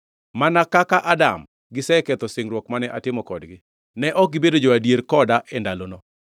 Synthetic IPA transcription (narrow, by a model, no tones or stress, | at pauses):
manakakaʔadam | ɡɪsɛkɛt̪ɔsɪŋɾwɔkmanɛʔatɪmɔkɔdɡɪ | nɛʔɔk̚ɡɪbedod͡ʒɔadieɾkɔdaʔɛndalono